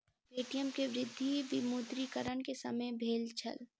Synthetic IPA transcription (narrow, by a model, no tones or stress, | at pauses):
beːʈijəmkeʋɾɪd̪ʱːiʋɪmuːd̪ɾikəɾəɳkesɐməjbʱeːlt͡ʃʰɐ̰l